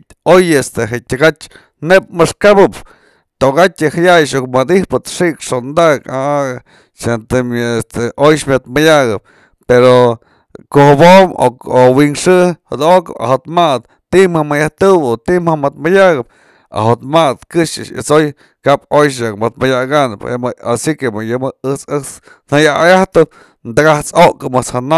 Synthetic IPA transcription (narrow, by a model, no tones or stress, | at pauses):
ojest̪eɦetʲaɡat͡ʃ | nep̚mɨʂkabɨp | t̪oʔɡat̪ʲɨhajajʃok̚mad̪ihpɨt̪ʂiʔkʂond̪aka | ʃent̪eest̪eʔojʃmʲat̪majaɡɨp̚ | peɾo | kohɨbomo̰owiŋʂɨhɨd̪oʔkɨ̰pa̰hot̪mad̪̚ | t̪iʔmhamɨjaht̪ɨbot̪iʔmhamat̪mɨjaɡɨp̚ | a̰ɦot̪mat̪kɨʂɨ̰t͡ʃɨ̰soj | kaʔp̚ojʃ̬jakmat̪majaɡanɨpḛmasikemɨjɨmɨɨt͡sɨt͡s | n̥ajaajaht̪ɨp̚ | nd̪ɨɡaht͡soʔkɨmɨt͡shana